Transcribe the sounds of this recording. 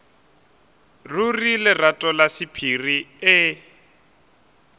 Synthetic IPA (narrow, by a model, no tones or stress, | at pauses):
rurilɪratʼɔlasipʰiriɪ